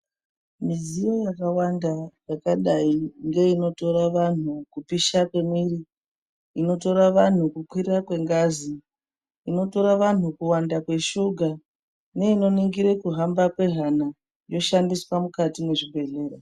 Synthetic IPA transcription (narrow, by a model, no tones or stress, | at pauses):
mid͡zijo̞jakawandajakaɗaiŋɡe̞ino̞to̞ɾaʋan̤ukupiʃakwe̞mwiri | ino̞to̞ɾaʋan̤ukukwirakwe̞ŋɡazi | ino̞to̞ɾaʋan̤ukuwandakwe̞ʃuɡʱa | ne̞ino̞niŋɡiɾekuɦambakwe̞ɦana | jo̞ʃandiswamukatimeʐibʱe̞ɮe̞ːro